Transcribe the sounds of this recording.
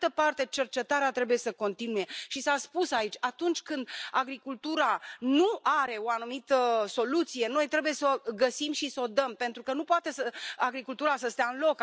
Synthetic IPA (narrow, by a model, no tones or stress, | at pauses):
t̪əpart̪e̞t͡ʃe̞rt͡ʃe̞t̪aɾeat̪ɾe̞buje̞səko̞nt̪inuje̞ʃisaspusait͡ʃʲat̪unt͡ʃʲkɨnd̪aɡɾikult̪uɾanuaɾe̞o̞anumit̪əso̞lut̪sije̞no̞jt̪ɾe̞buje̞soɡəsimʃisəo̞d̪əmpe̞nt̪ɾukənupoat̪e̞səaɡɾikult̪uɾasəst̪eaɨnlo̞k